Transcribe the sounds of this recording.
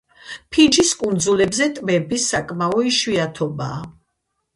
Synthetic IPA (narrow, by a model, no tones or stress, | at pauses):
pʰid͡ʒiskʼund̪zulɛbzɛt̪ʼmɛbisakʼmaɔiʃviat̪ʰɔbaː